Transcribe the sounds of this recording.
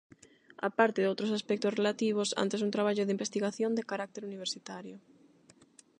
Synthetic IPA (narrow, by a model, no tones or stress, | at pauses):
a̰paɾt̪ɪðowt̪ɾosaspɛk̚t̪osrelat̪iβ̞osa̰nt̪esunt̪ɾaβ̞aʎʊðimbest̪iɣaθjond̪ekaɾak̚t̪eɾuniβ̞eɾsit̪aɾjʊ